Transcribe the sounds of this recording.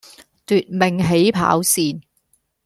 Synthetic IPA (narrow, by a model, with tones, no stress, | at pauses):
t̪yː˨t̚mɪ˨˩ŋɦe˨˥jpʰa̰ː˨˥wsiː˧n